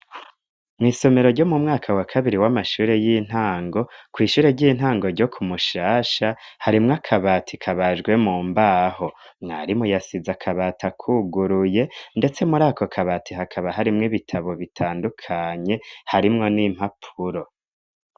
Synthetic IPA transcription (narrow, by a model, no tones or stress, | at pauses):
mŋiːso̞me̞ɾo̞ɾɟo̞mumŋaːkʰawakʰaβiɾiwamaʃuːɾe̞jin̥haːŋɡo̞kwiːʃuːɾe̞ɾɟiːn̥ɦaːŋɡo̞ɾɟo̞kʰumuʃaːʃahaɾimŋakʰaβaːtʰikʰaβaʒɡwe̞muːmbaːho̞mŋa̰ːɾimujasizakʰaβaːtʰakʰuɡuɾuje̞nde̞t͡se̞muɾaːkʰo̞kʰaβaːtʰiɦakʰaβaɦaɾimŋiβitʰaβo̞βitʰaːndukʰaɲe̞haɾimŋo̞nim̥hapʰuɾo